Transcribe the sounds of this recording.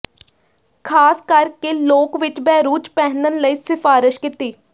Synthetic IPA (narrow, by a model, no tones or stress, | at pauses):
kʰaːskəɾkeloːkʋɪt͡ʃbɛːɾuːt͡ʃpɛːnənləiːsɪfʰaːɾɪʃkɪt̪iː